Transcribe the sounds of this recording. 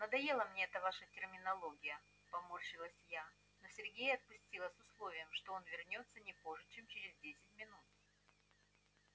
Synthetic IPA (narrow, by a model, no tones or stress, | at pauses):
nəd̪ɐje̞lˠəmnʲeɛt̪əvaʂətʲɪrmʲɪnɐlˠo̞ɡʲɪjə | pɐmorɕɪlˠəsʲja | no̞sʲɪrɡʲejəɐt̪̚pʊsʲtʲilˠəsʊslˠo̞vʲɪjəmʂt̪o̞onvʲɪrnʲo̞t̪sːənʲɪpo̞ʐɨt͡ɕe̞mt͡ɕɪɾʲɪzdʲesʲɪt̚ʲmʲɪnut̪̚